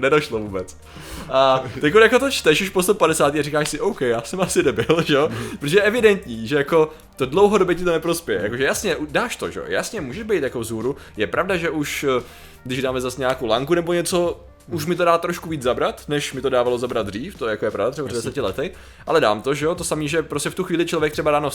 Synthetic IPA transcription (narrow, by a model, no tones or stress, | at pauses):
nɛdaʃlovuːbɛt͡s | ʔat̪ɛkojakot̪ot͡ʃt̪ɛʃuʃpost̪opadɛsaːt̪iːarikaːʃsɪʔowkɛjaːsɛmʔasɪdɛbɪlʒɛopɾot̪oʒɛjɛʔɛvɪdɛnt̪ɲiːʒɛjako̞ | t̪odlowɦodobjɛcɪt̪onɛpɾospjɛjɛ̰ja̰koʒɛjasɲɛʔudaːʃt̪o̰ʒɛ̰o̰ja̰sɲɛmuːʒɛʒbɛjt̪jako̞vzuːɾujɛpɾʔavdaʒɛʔuʃ | ɡdɪʒdaːmɛzasɲaaːkowlaŋkunɛbo̞ɲɛt͡so̞ | uʃmɪt̪odaːt̪ɾoʃkuviːd͡zzabɾat̪nɛʃmɪt̪o̞daːvalo̞zabɾad̪̚d̪riːft̪ojakojɛpɾavdat̪rɛbapɾɛdɛsɛcɪlɛt̪ɪ | ʔa̰lɛda̰ːmt̪o̞ʒɛot̪osamiːʒɛpɾoscɛft̪uxʋiːlɪt͡ʃlo̞vjɛkt̪rɛbadaːno